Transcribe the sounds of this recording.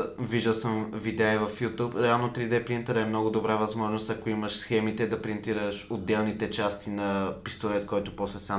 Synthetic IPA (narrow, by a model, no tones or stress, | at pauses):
viʒd̪ɐlˠsəmvid̪ɛivɐfjut̪upɾɛalˠnot̪ɾid̪ɛpɾint̪əɾɛmnɔɡʊd̪obɾavɐzmɔʒnost̪ɐkoimɐʃsxɛmit̪ɛd̪ɐpɾint̪iɾəʃod̪ːɛlˠnit̪ɛt͡ʃast̪inɐpist̪olɛt̪kɔjt̪ʊpɔslɛsa